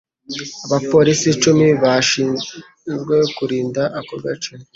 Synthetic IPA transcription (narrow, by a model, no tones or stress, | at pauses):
aβapo̞ːɾisit͡ʃumiβaʃiːn | zɡwe̞kuɾiːndaʔakoɾɡat͡ʃane